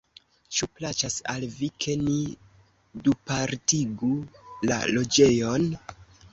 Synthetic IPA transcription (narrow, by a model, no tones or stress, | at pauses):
t͡ʃuplat͡ʃasalvikʰe̞ni | dupaɾtiɡula̰lo̞d͡ʒe̞jo̞n